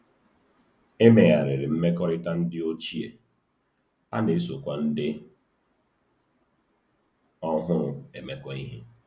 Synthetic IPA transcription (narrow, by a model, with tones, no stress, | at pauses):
e˦me˨ɣa˨ɾɪ˨ɾɪ˨m̩˦me˦kɔ˦ɾɪ˦ta˦n̩˦dɪ˦o˦t͡ʃi˦e˨ | a̰˦ne˨˦so˨kʷa˦n̩˦dɪ˦ | ɔ˦ɦʊ˦ɾʊ˨e˨me˦kʷɔ˦i˦ɦi˦